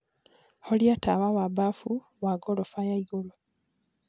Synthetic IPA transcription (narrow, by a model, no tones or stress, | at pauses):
holjatawawabafu | waɡolofajaiɡolo